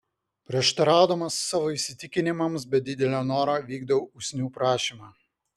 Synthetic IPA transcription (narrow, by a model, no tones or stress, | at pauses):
pʲɾʲiɛʃt̪ɐɾɑˑʊd̪ɐmɐsːɑːʋoːɪsʲɪt̪ʲɪkʲɪnʲɪmɐms̬bʲɛd̪ʲɪd̪ʲɛlʲoːnoːɾoːʋʲiːɡd̪ɐʋoʊsʲnʲuːpɾɑːʃʲiːmɑː